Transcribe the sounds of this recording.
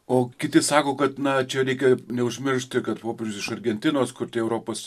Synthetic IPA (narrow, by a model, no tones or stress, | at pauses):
oːkʲɪt̪ʲɪsɑːkoːkɐt̪nɐt͡ʃʲɛɾʲɛɪkʲɛnʲɛʊʒʲmʲɪɾʃʲt̪ʲkɐt̪poːpʲeɾʲrʲd͡ʒʲʊsɪʃɐɾʲɡʲɛnʲt̪ʲɪnoːskʊɾt̪ʲɪɛʊɾoːpoːs